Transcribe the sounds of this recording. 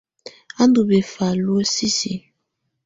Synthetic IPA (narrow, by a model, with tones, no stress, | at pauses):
a˦ndu˨be˨fa˨lu˦o˦si˦si˨